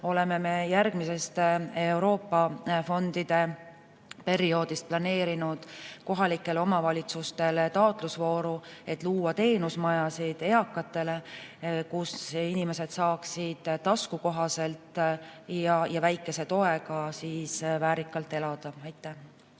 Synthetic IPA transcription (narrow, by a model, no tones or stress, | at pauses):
o̞le̞me̞me̞jærɡ̥mise̞st̪e̞uɾo̞ːpːɑfo̞nd̪̥id̪̥e̞ | pe̞ɾio̞ːd̪ist̪̚plɑne̞ːɾinud̪̥ko̞ɦɑlikːˑe̞lo̞mɑvɑlʲit̪sust̪e̞let̪ɑot̪ˑlusvo̞ːɾue̞t̪ːˑluːwɑt̪e̞ːnusmɑjɑsid̪̥e̞ɑkːˑɑt̪ːˑe̞le̞kusinime̞se̞d̪̥sɑːksid̪̥t̪ːɑskuko̞ɦɑse̞lt̪jɑjɑvæjkːˑe̞se̞t̪o̞e̞ɡɑsiːsvæːɾikːˑɑlt̪ːˑe̞lɑd̪̥ɑɑjt̪ːˑæ